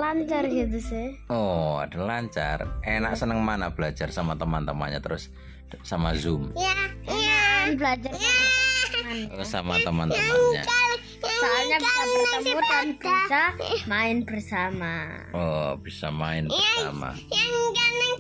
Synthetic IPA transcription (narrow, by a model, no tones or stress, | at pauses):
laɲt͡ʃarɡit̪̬usɪɔa̰d̥a̤laɲt͡ʃa̰renaʔsənəŋmanab̥əlad͡ʒarsamat̪əmant̪əma̰nɲa̰t̪əɾʊsː | amazumja | anbəlad͡ʒaranaansamat̪əmant̪əmaɲa̰ | saalɲabisapət̪əmbut̪anb̥isamaɪnb̥ərsama | ɔb̥isamaɪnbsa̰ma̰ | akan